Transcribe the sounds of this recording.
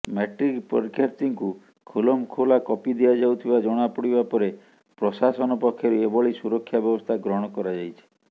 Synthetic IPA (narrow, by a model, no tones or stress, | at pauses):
meʈɾikpɔ̰ɾkʰjaɾtiŋku | kʰulɔmkʰolakɔpid̪ejad͡ʒawt̪ʰibad͡ʒɔɽ̃apɔɽibapɔɾe | pɾɔsasɔnɔpɔkʰjɔɾuebɔɭisuɾɔkʰːjabjɔbɔst̪ʰaɡɾɔɽ̃ɔkɔɾad͡ʒajt͡ʃʰi̥